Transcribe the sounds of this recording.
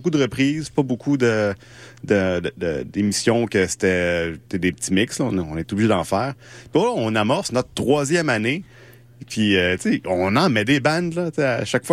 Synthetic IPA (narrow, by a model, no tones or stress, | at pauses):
kud̪əʁəpχʁiːzpɔbokʰud̪ə | d̪əd̪əd̪ə̰d̪emisjɔ̃kʲəse̥t̪ɛt̪ɛd̪epətt͡simɪkslɔ̃nɔ̃net̪ubliʒed̪ɑ̃ːfɛːʁpilɔ̃namɔʁsnɔt̪̚t̪ːχwazjɛmane | pʰiət͡seɔ̃nɑ̃mɛd̪ebɛ̃nd̪lʌt͡seaʃakfwa